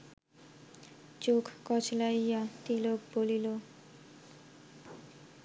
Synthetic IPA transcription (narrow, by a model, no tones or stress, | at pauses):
t͡ʃokʰkɔt͡ʃlaijat̪ilokbolilo